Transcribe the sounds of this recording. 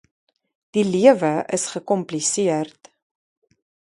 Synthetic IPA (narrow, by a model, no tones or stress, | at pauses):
d̥iliəvəəsχəkɔmplisiərt